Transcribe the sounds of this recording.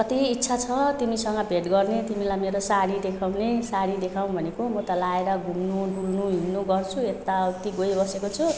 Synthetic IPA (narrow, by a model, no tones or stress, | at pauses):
kʌt̪iːtːsʰat͡sʰʌt̪imisʌŋɡʌbʱet̪ɡʌrnet̪imilajmeɾosaɽid̪ekʰawnesaɽid̪ekʰaw̃bʱʌnekomʌt̪ʌlaeɾʌɡunnoɖulnuɦinːoɡʌrt͡sʰuet̪ːat̪iɡojbʌsekot͡sʰu